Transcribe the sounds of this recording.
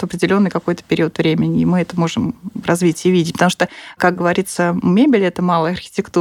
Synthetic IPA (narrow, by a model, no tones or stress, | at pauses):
t̪ɐpɾʲɪdʲɪlʲo̞nːɨjkɐko̞jt̪ə̥pʲɪɾʲiət̪vɾʲemʲɪnʲɪːmɨɛt̪əmo̞ʐɨmrɐzvʲitʲɪvʲidʲɪpət̪ɐmu̥ʂt̪əkak̚ɡəvɐɾʲit̪səmʲebʲɪlʲɛt̪əmɑlˠəjəɐrxʲɪ̥tʲɪkt̪u